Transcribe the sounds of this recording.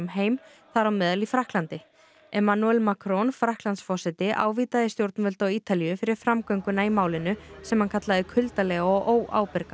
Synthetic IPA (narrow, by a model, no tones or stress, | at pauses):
mɦeːjm | θaɾawmɛːðalifɾahklant̪ɪ | ɛmanuɛlmakɾɔnfɾahklant̪sfɔsɛt̪ɪʔa̰ːwviːt̪aðɪst̪jowɾt̪nvœlt̪awiːt̪alijʏfɪɾɪɾ̥fɾamkœɥŋkʏnaijmaːwlɪnʏsɛmhankʰat̪laðɪkʰʏlt̪alɛɣɔʔoːwʔa̰ːwpɛɾka